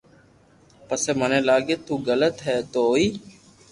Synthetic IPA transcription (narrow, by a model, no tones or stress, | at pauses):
pəseːmənẽːlaːɡeːt̪uːɡələt̪ɦɛːt̪oːiː